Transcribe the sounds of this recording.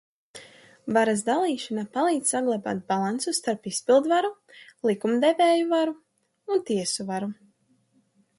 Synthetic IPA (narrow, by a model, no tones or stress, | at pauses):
vaɾazd̪alˠiːʃanapalˠiːd̪saɡlˠaba̰ːt̪̚balˠansust̪aɾpispilˠd̪vaɾulˠikumd̪ɛvɛːjuvaɾu | unt̪iɛsuvaɾu